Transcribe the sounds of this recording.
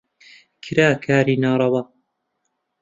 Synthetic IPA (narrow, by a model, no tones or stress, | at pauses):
kʰɨɾaːkʰaːɾiːnaːɾˤɑwɐ